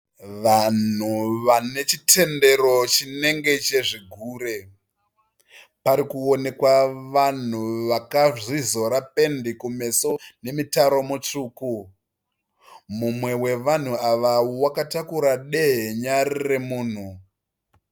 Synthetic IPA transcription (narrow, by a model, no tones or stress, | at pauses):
ʋan̤uʋane̞t͡ʃitʰe̞nde̞ɾo̞t͡ʃine̞ŋɡe̞t͡ʃe̞ʐiɡʱuːɾe̞ | paɾikuo̞ne̞kwaʋan̤uʋakaʐizo̞ɾape̞ndikume̞sone̞mitaɾo̞mut͡ʂuːku | mumwe̞we̞ʋan̤uaʋawowakatakuɾaɗeɦeɲaɾire̞muːn̤u